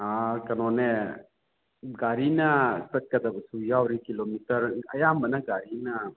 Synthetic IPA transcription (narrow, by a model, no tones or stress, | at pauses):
ɦakɐnone | ɡaːɾinaspɐt̪̚kɐd̪absujaoɾikilomit̪əɾɐ̰jambɐnaɡaːɾina